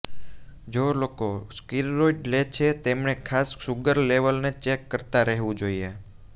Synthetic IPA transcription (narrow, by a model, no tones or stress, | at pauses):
d͡ʒolokoskilːoiʈlet͡ʃʰet̪emɳekʰasʃuɡəɾleʋəlnet͡ʃekːəɾt̪aɾəɦʋũd͡ʒoie